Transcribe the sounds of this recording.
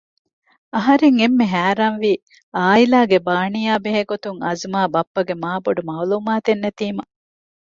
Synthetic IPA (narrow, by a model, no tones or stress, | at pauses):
ɐɦɐɾeŋemːeɦæːɾaːnʋiː | aːilaːɡebaːɳijaːbeɦeɡot̪uŋɐ̰zmaːbɐpːɐɡemaːboɖumaːluːmaːt̪enːet̪iːmɐ